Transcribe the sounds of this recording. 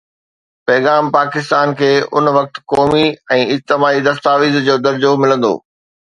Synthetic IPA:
pɛːɣaːmpaːkɪst̪aːnkʰeːʊnʋɐk̚t̪kɔːmiɛ̃ːɪd͡ʑt̪ɪmaːid̪ɐst̪aːʋiːzd͡ʑoːd̪ɐɾd͡ʑomɪlə̃nd̪o̰ː

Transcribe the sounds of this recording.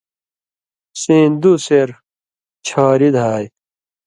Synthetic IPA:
sĩːnd̪useɾ | t͡ɕʰaːɾid̪ɦaːj

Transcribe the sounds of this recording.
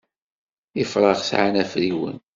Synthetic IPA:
jəfɾˤɑʁsʕanæfɾiwə̰n

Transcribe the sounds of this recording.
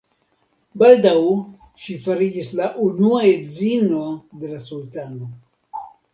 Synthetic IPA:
baldaw | ʃifaɾid͡ʒislaʔunuaedzino̞de̞lasultano̞

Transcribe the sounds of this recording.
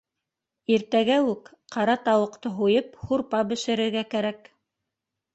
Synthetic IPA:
iɾt̪æɡæʉk | qɑɾɑt̪ɑwɤ̆qt̪ɤɦujɤphuɾpɑbɘ̆ʃɘ̆ɾɘ̆ɾɡækæɾæk

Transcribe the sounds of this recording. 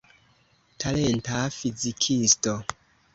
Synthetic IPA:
tʰalentafizikʰisto

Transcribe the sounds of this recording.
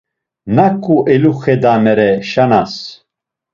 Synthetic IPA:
nakʼːuʔɛluχɛd̪amɛɾɛʃanas

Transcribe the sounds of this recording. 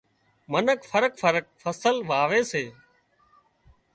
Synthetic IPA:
mənəkfʰəɾəkfəɾək̚fʰəsəlʋaːʋeːseː

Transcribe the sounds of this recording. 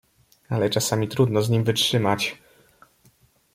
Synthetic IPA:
alɛt͡ʂasamʲit̪ɾud̪nɔzɲimvɘtʂɘmat͡ɕ

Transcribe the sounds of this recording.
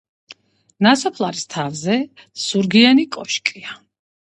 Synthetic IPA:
nasɔpʰlˠaɾist̪ʰavzɛ | suɾɡianikʼɔʃkʼia

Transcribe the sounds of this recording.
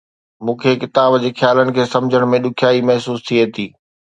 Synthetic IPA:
mũːkʰekɪt̪aːbd͡ʑeːxjaːlənɪ̆kʰeːsɐmd͡ʑʱəɽ̃mẽɗʊkʰjaːimɐɦsuːst̪ʰieːt̪iː

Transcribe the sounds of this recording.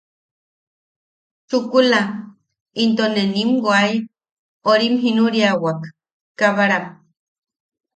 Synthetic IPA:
t͡ʃukula | int̪onenimɡwaj | oɾimɦinuɾiawak | kaβaɾam

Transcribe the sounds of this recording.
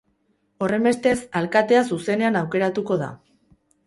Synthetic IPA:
o̞re̞mbe̞st̪e̞salkat̪e̞as̬use̞ne̞anawke̞ɾat̪uko̞ð̞a̰

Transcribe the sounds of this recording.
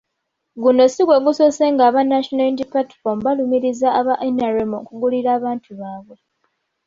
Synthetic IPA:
ɡuno̞siɡwe̞ɡusoseŋɡaːβanːaʃonadipatfombalumiɾizaːβaʔenaɾemokuɡuliɾaːβaːntʰuβaːβwe̞

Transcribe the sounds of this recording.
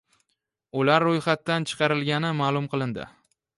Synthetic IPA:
ʊlaɾːojχat̪ːant͡ʃʰɨ̥qʰɑɾɪlɡʲanɪmaːlˠʊmqʰɨlˠɪnd̪ɪ̰

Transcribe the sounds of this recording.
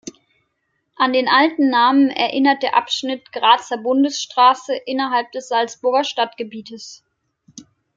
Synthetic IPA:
ʔandeːnʔaltn̩ːaːmənɛ̰ɐʔɪnɐt̚d̥eːɐʔapʃnɪtɡ̥ʁaːt͡sɐbʊndəsʃtʁ̥aːsəʔɪnɐɦalp̚d̥ɛsz̥alt͡sb̥ʊɐɡɐʃtatɡ̥əbiːtəs

